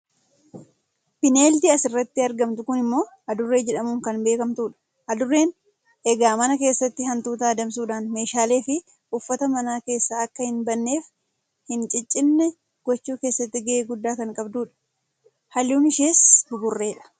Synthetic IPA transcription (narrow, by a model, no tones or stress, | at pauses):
pɪne̞ːld̪iːɐsɪrːɐt̪ːɪɐɾɡɐmt̪ʊkʊnɪmːo̞ː | ɐd̪ʊrːe̞ːd͡ʒɛᶑɐmuːŋkɐnbe̞ːkɐmt̪uːᶑɐ̥ | ʔɐd̪ʊrːe̞ːn | ʔɛɡaːmɐnɐke̞ːsːɐt̪ːɪɦɐnt̪uːt̪aːɐd̪ɐms̬uːᶑaːnme̞ːʃaːle̞ːfɪ | ʊfːɐt̪ɐmɐnaːke̞ːsːaɐkːɐhɪnbɐnːe̞ːf | hɪnt͡ʃʼɪt͡ʃʼːɪnːɛ | ɡ̥ɔt͡ʃːuːke̞ːsːɐt̪ːɪɡɐʔeːɡʊd̪ːaːkɐŋkʼɐbd̪uːᶑɐ̥ | hɐluːnɪʃe̞ːshʊɡʊrːe̞ːᶑɐ̥